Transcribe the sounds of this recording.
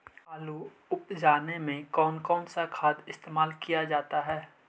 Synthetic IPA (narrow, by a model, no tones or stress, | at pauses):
aːlu | ʊpd͡ʒaːnemẽkɔːnkɔːnsakʰaːd̪ɪst̪eːmaːlkijad͡ʒaːt̪aɦɛː